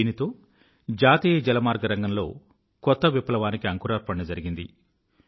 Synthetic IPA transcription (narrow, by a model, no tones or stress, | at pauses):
iːnit̪o̞ː | d͡ʒaːt̪iːjɐd͡ʒɛlɐmaːɾɡɐɾɐŋɡɐmlo̞̰ː | kɔt̪ːɐʋipːɐlɐʋaːnikiɐŋkuːɾaːɾpɐɳnɐd͡ʒɐɾiɡind̪ḭ